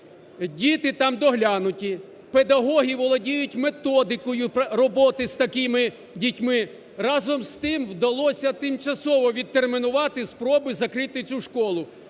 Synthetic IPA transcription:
dʲit̪ɪt̪ɑmd̪ɔɦlʲanʊtʲi | ped̪ɐɦɔɦʲiʋɔlˠɔdʲijʊtʲme̞t̪ɔd̪ɪkɔjʊrɔbɔt̪ɪst̪ɐkɪmɪ | dʲitʲmɪ | rɑzɔmst̪ɪmwd̪ɐlˠɔsʲɐt̪ɪmt͡ʃɐsɔʋɔʋʲid̪̚t̪ːermɪnʊʋɑt̪ɪspɾɔbɪzɐkɾɪt̪ɪt͡sʲuʃkɔlˠʊ

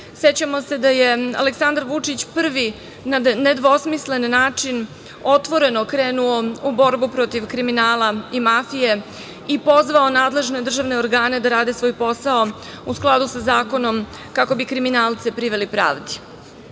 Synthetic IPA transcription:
set͡ɕamo̞se̞d̪ajea̰le̞ksand̪aɾʋut͡ʂit͡ɕpr̩ʋi | naːed̪ʋosmisle̞nːaːt͡ʂin | o̞t̪ʋo̞ɾe̞no̞kɾeːnuoubo̞ɾbupɾo̞t̪iʋkɾiminaːlaimafije̞ | ipo̞zʋao̞naːd̪le̞ʒne̞d̪r̩ʒaʋne̞oɾɡaːne̞d̪aɾaːd̪esʋo̞ːjpo̞sao̞ | usklˠad̪usazaːko̞no̞m | kako̞bikɾiminaːlˠt̪sipɾiʋe̞lipɾa̰ːʋd̪i̥

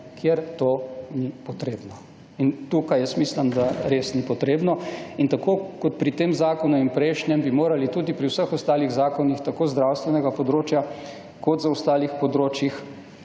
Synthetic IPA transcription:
kʰjeɾt̪oːnipɔt̪ɾeːbnɔ | int̪ukajɛsmislɐmd̪aɾeːsnipɔt̪ɾeːbnɔint̪akoːkɔt̪̚pɾit̪emzaːkɔnuimpɾɛʃnjɛmbimoːɾalit̪uːd̪ipɾiwsəxɔst̪aːliɣzaːkɔnixt̪akoːzd̪ɾawst̪ʋɛnɛɡapɔd̪ɾoːt͡ʃja | kɔt̪zaɔst̪aːlixpɔd̪ɾoːt͡ʃjix

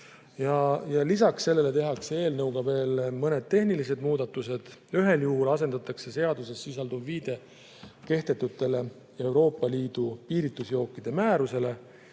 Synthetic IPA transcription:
jɑjɑlisɑksːe̞lːe̞le̞t̪e̞ɦɑksee̞ːlnɤwɡ̥ɑve̞ːlmɤne̞d̪̥̚t̪e̞ɦnilis̬e̞d̪̚muːd̪̥ɑt̪ːˑuse̞d̪̥yɦe̞ljuɦulɑse̞nd̪̥ɑt̪ːˑɑkse̞se̞ɑd̪use̞sːis̬ɑld̪uvviːd̪̥e̞ | ke̞ht̪e̞t̪ːut̪ːˑe̞le̞ | e̞wɾo̞ːpːˑɑliːd̪̥upiːɾit̪ːˑusjo̞ːkːˑid̪̥e̞mæːɾuse̞le̞

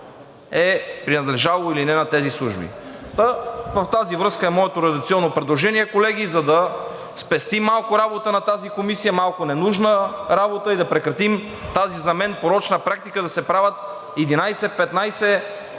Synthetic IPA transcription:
ɛpɾinɐd̪lɛʒalˠoilinɛnɐt̪ɛzislˠuʒbḭt̪vɐft̪azivɾɤskəɛmɔɛt̪oɾɛd̪ɐk̚t̪iɔnːopɾɛd̪lˠoʒɛniɛkolɛɡ̟izɐd̪ɐ | spɛst̪imːalˠkʊɾabot̪ənɐt̪azikomisijəmalˠkonɛnuʒnəɾabot̪əid̪ɐpɾɛkɾɐt̪im | t̪azizɐmɛnpoɾɔt͡ʃnɐpɾak̚t̪ikəd̪ɐsɛpɾavɐt̪ | ɛd̪inajsɛpɛt̪najsɛ

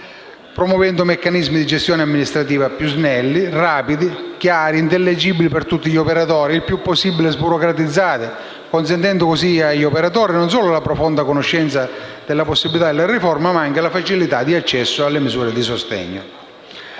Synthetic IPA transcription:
pɾomwɔvɛnd̪ʊmekːanizmid̪id͡ʒest̪jɔːneamːinist̪ɾat̪iːvapjuznɛlːiraːpid̪ik̟jaaːɾiːnt̪elːed͡ʒibilipert̪ut̪ːiʎiopeɾat̪ɔːɾiilpjupːosːibilezbuɾokɾat̪id̪zːaːt̪ɪ | kons̬ɛnt̪ɛnd̪ʊkosiaʎːopeɾat̪̬ɔːɾinons̬ɔːlʊlapɾɔfond̪akonʊʃːɛnt̪sad̪̥elːaposːibilit̪ad̪elaɾifɔrmamaaŋkelafat͡ʃilit̪ad̪iat͡ʃːɛsːʊalːemɪzuːɾed̪isost̪ɛ̰ɲːo̰

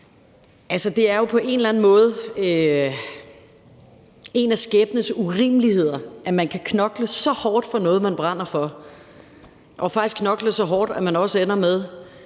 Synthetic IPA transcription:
ʔælsəd̥e̝æɐjo̝pʰɒ̽ʔe̝nlæn̩mɔ̽ːð̞̩ˠ | e̝næsɡ̥eːb̥nəsuʁiːmlihe̝ð̰ˠɐʔæmænkʰækʰnɒ̽ɡ̥ləsɒ̽hɒːd̥fɒ̽nɔ̽ːð̞̩ˠmænb̥ʁɑn̰ɐfɒ̽ | ʔɒ̽fɑ̈ɡ̥̚isɡ̥kʰnɒ̽ɡ̥ləsɒ̽ɦɒːd̥æmænɒ̽səenɐmeð̞ˠ

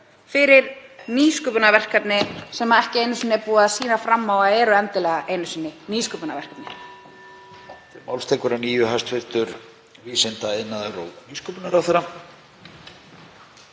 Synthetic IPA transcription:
fɪɾɪɾniːskʏpʏnavɛr̥kat̪nɪsɛmːaɛhcɪejnʏsinːɪɛpuːaðsiːnafɾamːaːwaɛːɾʏɛnt̪ɪlɛːɣaʔejnʏsinːɪniːskœpʏnavɛr̥kat̪nɪ | t̪ɪmawlst̪ɛkʏɾaniːjʏɦast̪fɪlt̪ʏɾ | viːsɪnt̪aɪnːaðɪro̰ːwniːskʏpʏnaɾawθɛɾa

